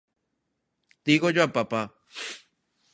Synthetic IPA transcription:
t̪iɣod͡ʒapapa

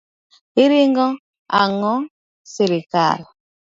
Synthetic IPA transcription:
iɾiŋɡɔ | aŋɔ | seɾika̰l

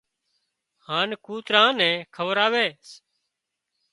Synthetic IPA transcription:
haːnkuːt̪ɾãːnɛ̃ːkʰəʋəɾaːʋeːs

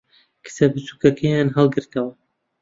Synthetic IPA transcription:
kʰɨ̥sɐbɨsuːkɐkʰɐjaːnɦɑlˠɡɨɾt̪ɐwɐ

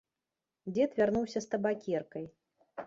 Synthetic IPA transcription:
d͡zʲɛt̪vʲarnuwsʲɐst̪ɐbakʲɛrkɐj

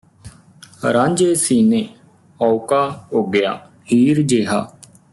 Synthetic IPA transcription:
ɾãːɲd͡ʒeːsiːneː | ɔːʊkaːɦoːɡɪjaː | hiːɾd͡ʒeːɦaː

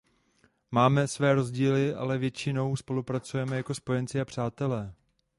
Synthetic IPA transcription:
maːmɛsvɛːɾo̞zɟiːlɪʔa̰lɛvjɛt͡ʃɪno̞wspo̞lupɾat͡sujɛmɛjako̞spo̞jɛnt͡sɪapr̝̥aːt̪ɛlɛː

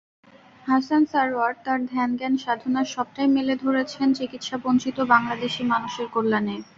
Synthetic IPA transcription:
ɦasansaɾaɖ̚t̪aɾd̪ʱɛnɡɛnʃad̪ʱonaɾʃɔb̚ʈajmeled̪ʱoɾet͡ɕʰent͡ɕikit̪ʃabont͡ɕit̪obaŋlad̪eʃimanuʃeɾkolːane

